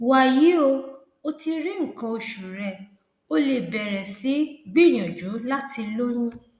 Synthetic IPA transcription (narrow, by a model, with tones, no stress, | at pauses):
wa˨ji˨˦o˧ | o˧ti˧ɾĩ˦ŋ̩˨kɔ̃˧o˧ʃu˨ɾɛ˨ | o˧le˧˨bɛ˨ɾɛ˨si˨˦ɡ͡bi˦˨nĩ˨ɔ̃˨d͡ʒu˨˦la˦tʰi˧lo˦ɾ̃ũ˦